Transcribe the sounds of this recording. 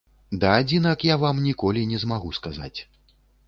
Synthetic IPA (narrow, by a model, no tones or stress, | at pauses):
d̪ɐːd͡zʲinɐkjavamnʲikɔlʲinʲɛzmaɣuskaza̰t͡sʲ